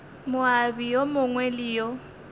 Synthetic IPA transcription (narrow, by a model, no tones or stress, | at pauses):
mʊabijomʊŋwɛliːjɔ